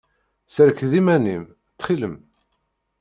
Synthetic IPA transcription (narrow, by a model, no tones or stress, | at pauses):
səɾkðimænim | t̪ːχiləm